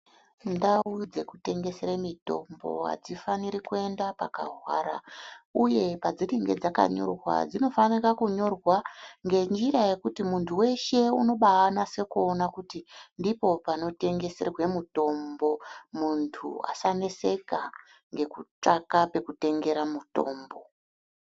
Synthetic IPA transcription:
ndaud͡ze̞kute̞ŋɡe̞seɾamito̞̰mbo̞̰ɦa̰d͡zifaniɾikue̞ndapaka̰ɦwa̰ːɾauje̞pad͡ziɾiŋɡe̞̰d͡zaka̰ɲo̰rwa̰d͡zino̞fanirakuɲo̞rwaŋɡe̞nd͡ʒiraje̞kutimuntʰuwe̞ʃe̞uno̞ɓaanase̞kuonakutindipo̞pano̞te̞ŋɡe̞se̞rwe̞muto̞mbo̞muntʰṵa̰sane̞se̞ka | ŋɡe̞kut͡ʂakape̞kute̞ŋɡe̞ɾamuto̞̰ːmbo̞

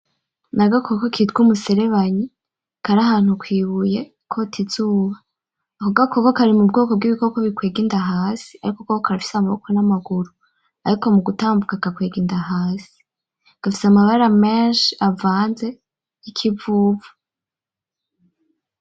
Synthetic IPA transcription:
naɡakʰokokitɡumuse̞ɾe̞βaɲi | kaɾahaːn̥hukwiːβuje̞ | kʰo̞tʰizuːβa | koɡakokokaɾimub̚ɡoːkob̚ɡiβikokaβikweːɡindaɦaːsi̥aɾikokokokaɾafi̥samaβo̰konamaɡuɾu | aɾiko̞muɡutaːmbukakakweːɡiːndaɦaːsi̥ | ɡ̥afisamaβaɾameʃiavaːnze̞ | jikʰivuːvu̥

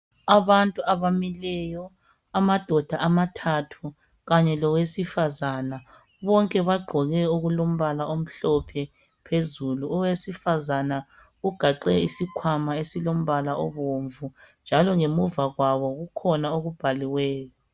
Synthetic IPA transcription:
aβantʼuʔaβamilɛjɔ | amad̥ʱɔd̥ʱaʔamatʰatʰu | ɣaɲɛlɔwesifazana | βɔŋkʼɛβaɡ͡ǃʱɔɣɛuɣulom̩βalaʔom̩ɬɔpʰɛ | pʰezuluɔwesifazana | ɣuɡ̥ʱaǃɛisikʰwamaesilom̩βalaʔɔ̰βoɱvund͡ʒʱalɔŋemuvaɣwaβɔɣukʰɔnaoɣub̥ʱaliwɛːjɔ

